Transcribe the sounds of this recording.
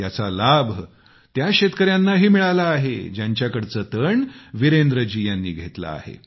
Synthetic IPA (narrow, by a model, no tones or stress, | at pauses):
jat͡salabʱ | t̪jaɕet̪kəɾjanːaɦiːmiɭalaːɦḛd͡ʑjaɲt͡ɕjakəɽt͡sət̪əɳʋiɾend̪ɾəd͡ʑijanːiːɡʱet̪la̰ːhḛ